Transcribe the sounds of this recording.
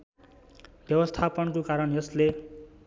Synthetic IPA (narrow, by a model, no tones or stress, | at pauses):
bjʌbʌst̪ʰapʌnkokaɾʌnjʌsle